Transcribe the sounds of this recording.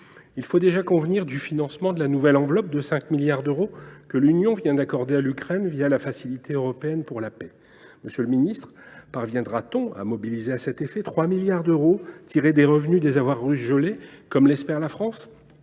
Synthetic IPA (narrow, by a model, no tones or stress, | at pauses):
ilfod̪eʒakɔ̃vniʁd̪yfinɑ̃smɑ̃d̪əlanuvɛlɑ̃vlɔp̚d̪əsɛ̃kmiljaʁd̪øʁokəlynjɔ̃vjɛ̃d̪akɔʁd̪ealykχɛnvijalafasilit̪ʰeøʁɔpeɛnpuʁlapɛ | məsjələminist̪χpaʁvjɛ̃d̪ʁat̪ɔ̃a̰mɔbilizeasɛt̪efɛt̪χwamiljaʁd̪øʁot̪ʰiʁed̪eʁəvnyd̪ezavwaʁːysʒəlekɔmlɛspɛʁlafχɑ̃s